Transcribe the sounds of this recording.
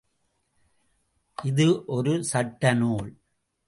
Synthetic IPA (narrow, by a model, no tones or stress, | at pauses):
ʔɪðɯʔɔɾɯsɐʈːɐnuːɭ